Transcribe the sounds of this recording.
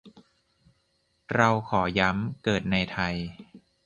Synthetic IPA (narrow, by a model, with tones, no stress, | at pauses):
ɾa˧wkʰɔː˩˦ja˦˥mkɤː˨˩t̪̚na˧jt̪ʰa˧j